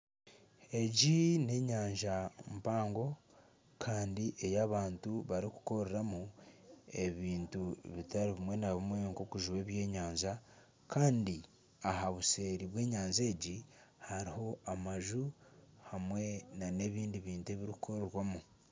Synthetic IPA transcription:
e̞ɟine̞ɲaːɲʒampaːŋɡo̞ | kʰaːndiʔe̞jaβaːntuβaɾiku̥ko̞ɾeɾamu | e̞βiːntuβitaɾiβimwe̞naβimwe̞ŋkokuʒuwe̞ːβje̞ːɲaːɲza | kʰaːndi | ahaβuse̞ːɾiβwe̞ːɲaːɲze̞ːɟi | haɾiho̞amaʒuhamwe̞nane̞βiːndiβiːntue̞βiɾikuko̞ɾeɾwamu

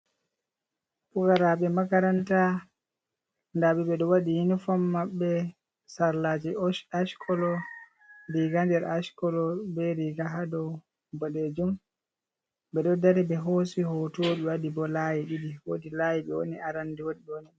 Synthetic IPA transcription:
puɡaɾaɓɛmakaɾanta | ndaɓɛɓɛɗɔwaɗijinifɔmːaɓːɛ | saɾlaːd͡ʒiɔʃaʃkʰɔlɔ | ɾiɡandɛɾaʃkɔlɔbɛɾiɡaɦadɔw | bɔɗed͡ʒum | bɛɗɔdaɾibɛɦosihotoːɗɛwaɗibɔlajiɗidiwodilajiɓɛwo̰niaɾandiwodiwoni

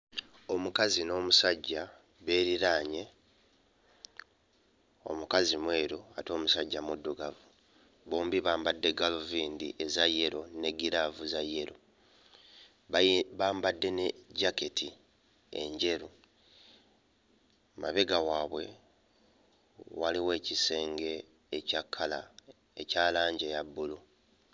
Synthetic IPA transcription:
o̞mukazino̞ːmusaɟːa | βe̞ːɾiɾaːɲe̞ | o̞̰mukazimwe̞ːɾoato̞ːmusaɟːamudːuɡavu | βoːmbiβaːmbadːe̞ɡaloviːndḭʔe̞zaje̞ɾo̞ne̞ɡiɾavuzajːe̞ɾo | βaːmbadːe̞neɟake̞tʰi | e̞̰ɲɟe̞ɾu | ma̰βe̞ɡawaːβwe̞ | waliwe̞ːcise̞ːŋɡe̞ː | cakʰːala̰ | ecaːlaːɲɟejabːulu

